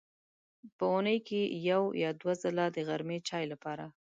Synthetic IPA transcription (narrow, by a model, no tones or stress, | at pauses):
pəunəjkejawjɑd̪wazəlad̪əɣaɾmet͡ʃɑjlapɑɾa